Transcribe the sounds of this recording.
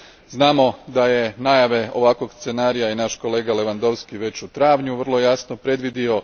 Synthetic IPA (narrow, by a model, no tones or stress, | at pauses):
znaːmo̞d̪aje̞najaʋe̞o̞ʋakʋoɡst̪se̞naːɾijainaʃko̞le̞ːɡale̞ʋand̪o̞ʋskiʋe̞t͡ɕut̪ɾaːʋɲuʋər̩lˠo̞jaːsnopɾe̞d̪ʋid̪io̞